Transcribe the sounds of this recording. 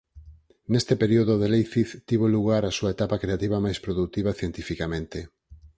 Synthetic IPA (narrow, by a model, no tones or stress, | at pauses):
nest̪epeɾioðoðelejθiθt̪iβoluɣaɾasuaet̪apakɾeat̪iβɐmajspɾoðut̪iβaθjent̪ifikamẽnt̪e